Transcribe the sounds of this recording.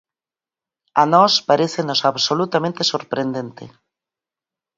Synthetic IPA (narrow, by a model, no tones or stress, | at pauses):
anɔspaɾeθenosaβsolut̪amẽnt̪esoɾpɾend̪ent̪ḛ